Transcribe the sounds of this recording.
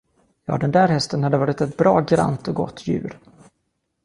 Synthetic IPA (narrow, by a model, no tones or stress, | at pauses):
jɑ̰ːd̪ɛnd̪æːɾɦɛst̪ənhad̪əvɑːɾɪt̪ɛt̪̚bɾɑːɡɾa̰nt̪ɔɡɔ̰t̪ʰːjʉ̟̰ːɾ